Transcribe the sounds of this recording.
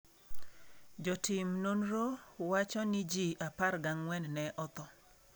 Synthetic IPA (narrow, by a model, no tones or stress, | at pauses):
d͡ʒɔtɪmnonɾowat͡ʃɔnɪd͡ʒiʔaparɡaŋwɛnnɛʔɔt̪ɔ